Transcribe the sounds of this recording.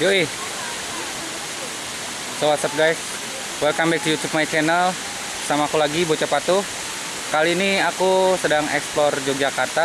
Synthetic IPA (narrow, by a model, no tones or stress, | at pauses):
joi | sowasap̚ɡajs | wɛlkambɛkijut̪up̚majat͡ʃɛnəl | samakulaɡibot͡ʃapat̪u | kaliːniakusədaŋɛ̰ksplɔrd͡ʒɔk̚d͡ʒakart̪a